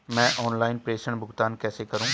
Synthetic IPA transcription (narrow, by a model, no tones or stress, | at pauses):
mɛ̃ːʔɔːnlaːɪnpɾeːʃəɳ̃bʱʊɡt̪aːnkɛːsekɐɾũː